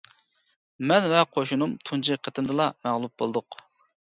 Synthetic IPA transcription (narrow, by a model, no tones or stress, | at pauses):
mɛnvɛqʰoʃunumt̪ʰunt͡ʃʰiqʰət̪ɪnd̪ɨlˠɑmæʁlˠup̚bolˠɨd̪ʊq